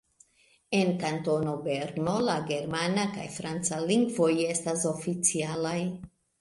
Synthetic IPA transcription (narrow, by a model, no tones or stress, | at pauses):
e̞nkanto̞no̞be̞ɾno̞laɡe̞ɾmanaka̰jfɾant͡saliŋɡvo̞je̞staso̞fit͡sialaj